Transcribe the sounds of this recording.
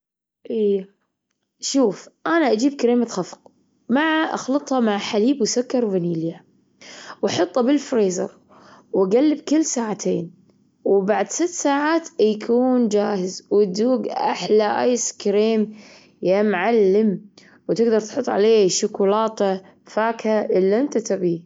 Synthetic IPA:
ʔijːa | ʃuːfʔaːnaʔad͡ʒiːb̚kaɾiːmat̪xɑfq | maʕaʔɑ̰xlɑt̪ˤhɑmaʕħaliːbwsʊkːɑɾˤvaniːlja | wɑħɑt̪ˤːɑbɪlfɾeːzɑ̰ɾˤ | waɡalːɪbkɪlːsaːʕat̪ʰeːn | wbaʕd̪sɪt̪ːsaːʕaːt̪jkʰuːnd͡ʒaːhɪzwɪd̪uːɡʔa̰ħlaʔa̰jskɾeːm | jamʕalːɪm | wt̪ɪɡd̪ɑɾˤt̪ħʊt̪ˤːʕa̰leːʃʊkulɑːt̪a | faːkhaʔɪlːʔɪnt̪at̪abi

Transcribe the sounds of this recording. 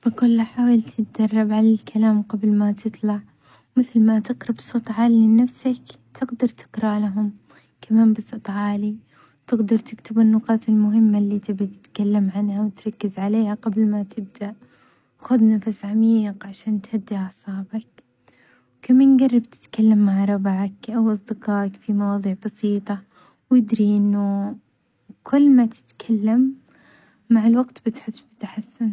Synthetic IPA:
bɪkʊlːaħaːwalt̪ʰɪt̪d͡ʒɑrˤːɑbʕalalkʰalaːmqɑblmat̪ʰɨt̪ˤlɑʕ | mɪθlmat̪ɪqɾˤɑbɨsˤɑt̪ˤʕɑːlɪnafsak | t̪ʰɪɡd̪ɑɾˤt̪ʰɪ̥qɾˤɑlaɦʊm | kʰamaːnbɨsˤɑt̪ˤʕɑːli | wt̪ɪɡd̪ɑɾˤt̪ɪkt̪ʰɪbɪnːʊqɑːt̪ɪlmʊɦɪmːalːiːt̪ɪbit̪ɪ̥t̪kalːamʕanhawɪt̪ɾˤɑkːɪzʕaleːhaqɑblmat̪ʰɪb̚d̪aʔ | xʊd̪nafsʕamiːqʕaʃaːnt̪had̪ːiʕsˤɑːbak̚ | wkamaːnɡɑrˤːɑb̚t̪ɪ̥t̪kalːamːaʕɾˤɑbʕakʔawʔɑsˤd̪ɪqɑːkfimɑwɑːðˤiːʕbɑsiːt̪ˤɑ | wjɪd̪ɾiʔɪnːʊ | kʰʊlːmat̪ʰɪ̥t̪kʰalːamː | aʕɪlwaɡt̪bɪt̪ħʊt̪ːbɪt̪aħasːʊn

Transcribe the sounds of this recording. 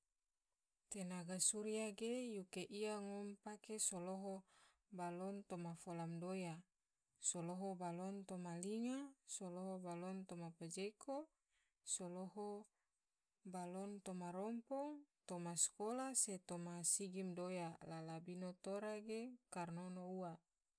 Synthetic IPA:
t̪enaɡasuɾiaɡejukeʔiaŋɔmpakesoloɦo | balɔnt̪omafolamdoja | soloɦobalɔnt̪omaliŋasoloɦobalɔnt̪omaped͡ʒekʰo | soloɦo | balɔnt̪omaɾɔmpɔt̪omaskolaset̪omasiɡimdojalalabinot̪oɾaɡekarnonoua

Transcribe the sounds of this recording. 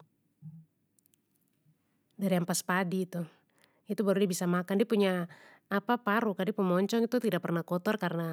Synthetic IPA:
daɾiaŋpaspadiːt̪u | it̪ubaɾudiɛbisamakandiapuɲaː | papaɾukadipəmɔɲt͡ʃɔŋit̪ut̪idapɛrnahkɔt̪ɔrkarna

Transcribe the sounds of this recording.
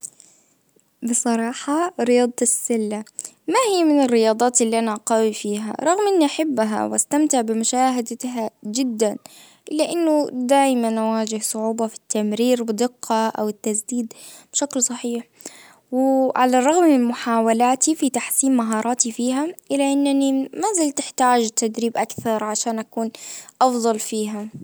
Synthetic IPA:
bɨsˤɑɾˤɑːħɑɾɪjɑːd̪ˤɪsːɪlːa | mahɪjːmɪnɪrːɪjɑːd̪ˤɑːt̪ʔɪlːiʔanaʔɑqɑwifiːɦa̰ɾˤɑɣmʔɪnːiʔaħɪbːɦa̰wʔast̪amt̪ɪʕbɪmʊʃaːɦad̪aɦad͡ʒɪd̪ːan | ʔɪlːaʔɪnːʊd̪aːjmanʔawaːd͡ʒɪhsˤʊʕuːbɑfi̥t̪ːamɾiːɾbɪd̪ɪqːɑʔawɪt̪ːasd̪iːd̪b̥ʃaklsˤɑħiːħ | wɪʕalarˤɑɣmɪnmʊħaːwalaːt̪ifit̪aħsiːmmaɦɑːɾˤɑːt̪ifiːɦaʔɪlːaʔɪnːanimazalt̪ɪħt̪aːd͡ʒt̪ːad̪ɾiːbʔakθɑɾˤʕaʃaːnʔakuːnʔɑfðˤɑlfiːɦa

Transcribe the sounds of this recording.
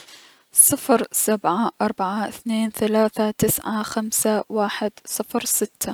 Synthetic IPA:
sˤɨfɾsabʕaʔɑɾˤbaʕaɪθneːnθalaːθat̪ɪsʕaxamsawaːħɪd̪sˤɨfɾsɪt̪ːa

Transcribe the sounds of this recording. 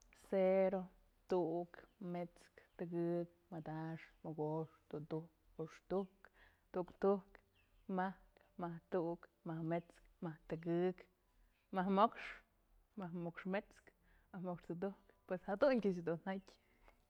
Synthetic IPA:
seɾo | t̪uʔkmet͡skt̪ɨkɨk̚ | mad̪aʂmoɡoʂt̪uʔt̪uhk | oʂt̪uk | t̪uʔkt̪uk | mahk | maht̪uʔkmahmet͡skmaht̪ɨkɨk | mahmokʂ | mahmokʂmet͡sk | mahmokʂt̪ut̪̬uhkpweshad̪unkʲaʃ̬d̪un̥atʲ

